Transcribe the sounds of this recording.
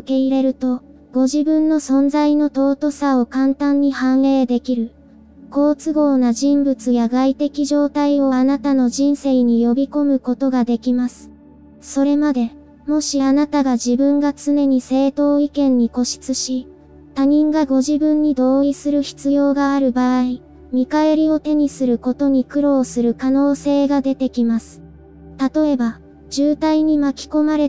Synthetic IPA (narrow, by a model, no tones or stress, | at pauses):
ke̞iɾe̞ɾɯ̟t̪o̞ | ɡ̥o̞ʑibɯ̃nːo̞sõ̞nd͡zaino̞t̪o̞ːt̪o̞sao̞kãnt̪ãɲ̟ːihãɰ̃e̞ːd̪e̞kʲiɾɯ̟ | ko̞ːt͡sɨɡo̞ːnaʑĩmbɯ̟t͡sɨjaɡait̪e̞kʲiʑo̞ːt̪aio̞anat̪ano̞ʑĩɰ̃se̞iɲ̟ijo̞bʲiko̞mɯ̟ko̞t̪o̞ɡad̪e̞kʲimasɨ̥ | so̞ɾe̞mad̪e̞ | mo̞ɕianat̪aɡaʑibɯ̟̃ŋɡat͡sɨne̞ɲ̟ise̞ːt̪o̞ːikẽ̞ɲ̟ːiko̞ɕi̥t͡sɨɕi | t̪aɲ̟ĩŋɡaɡo̞ʑibɯ̟̃ɲ̟ːid̪o̞ːisɨɾɯ̟çi̥t͡sɨjo̞ːɡaːɾɯ̟baːi | mʲikae̞ɾʲio̞t̪e̞ɲ̟isɨɾɯ̟ko̞t̪o̞ɲ̟ikɯ̟ɾo̞ːsɨɾɯ̟kano̞ːse̞ːɡad̪e̞t̪e̞kʲimasɨ̥ | t̪at̪o̞e̞ba | d͡ʑɨːt̪aiɲ̟imakʲi̥ko̞maɾe̞